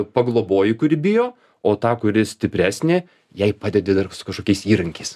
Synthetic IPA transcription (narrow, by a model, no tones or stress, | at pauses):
pɐɡlˠoːboːjɪkʊɾʲɪbʲɪjoː | oːt̪ɑːkʊɾʲɪsʲt̪ʲɪpʲɾʲæːsʲnʲeː | jɛɪpɑːd̪ʲɛd̪ʲed̪ɐrsʊ̥kɐʃkoːkʲɛɪsiːɾɐŋʲkʲɛɪs